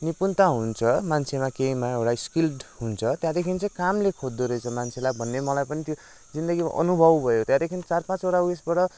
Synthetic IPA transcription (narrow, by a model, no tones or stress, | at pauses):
nipunt̪aɦunt͡sʰʌmant͡sʰemakeimaeɽajskilɖɦunt͡sʰʌt̪jãd̪ekʰint͡sʌ̃jkamlekʰod̪ːoɾʌjt͡sʰʌmant͡sʰelabʱʌnːemʌlajpʌnit̪jo | d͡zind̪ʌɡima̰ʔʌ̰nubʱʌbbʱʌjot̪jãd̪ekʰint͡sarpãt͡soɽauesbaʈʌ